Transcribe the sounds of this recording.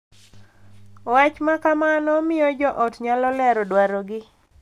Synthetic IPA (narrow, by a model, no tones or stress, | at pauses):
wat͡ʃmakamanɔmɪjɔd͡ʒɔʔɔtɲalɔlɛɾɔdwaɾɔɡɪ